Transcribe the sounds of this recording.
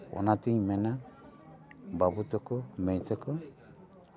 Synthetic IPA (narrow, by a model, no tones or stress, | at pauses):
ɔ̰nat̪iɲmɛna | babutɔkɔmɛɲsɛkɔ